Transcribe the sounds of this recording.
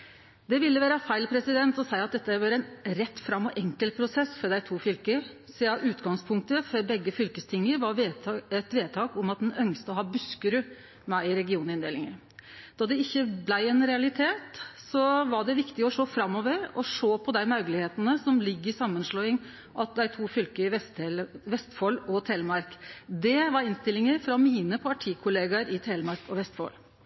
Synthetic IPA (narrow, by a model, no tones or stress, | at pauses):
d̪̥ɛʋɪlːəʋæːɾəfæɪlpʰɾɛsɪd̪ɛnt̪ɔsæɪɑt̪̚d̪ɛt̪ːəʋɑɾɛɪnɾɛt̪ːfɾɑmːɔʔɛŋkəlt̪̚pʰɾʊsɛsːfɔɖ̪æɪt̪ʰuːfʏlkəsɛːɑʔʉːt̪ɡɑŋspʰʊŋk̚t̪əfɔɾbɛɡːəfʏlkəst̪ʰɪŋːəɾʋɑɾʋɛt̪ʋeːd̪t̪ʰɑːkʊmɑt̪̚d̪ɛnœŋst̪əɔɦɑːbʉskəɾʉ | mæɪɪɾɛɡɪuːnɪnd̪eːlɪŋə | d̪̥ɑːd̪ɛɪçːəblæɪɛnɾɛɑlɪt̪ʰeːt̪sɔʋɑɖɛʋɪkt̪ɪɔʂoːfɾɑmːɔːʋəɾɔʂoːpʰɔd̪æɪmœʉɡəlɪheːt̪ənəsɔmlɪɡːəɾɪsɑmːənʂlɔːɪŋ | ʔɑt̪̚d̪æɪt̪ʰuːfʏlkəɪɛt̪lʋɛst̪fɔlɔt̪ʰeːlmɑɾkd̪ɛʋɑɾɪnst̪ɪlːɪŋəɾfɾɑmiːnəpʰɑʈʰiːkʰʊleːɡɑɾɪt̪ʰelmɑɾkɔʋɛst̪fɔ̰l